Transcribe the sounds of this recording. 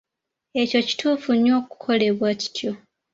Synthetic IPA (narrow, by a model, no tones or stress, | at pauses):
e̞co̞ci̥tʰuːfuɲo̞ːku̥kʰo̞le̞βwaci̥tʰjo̞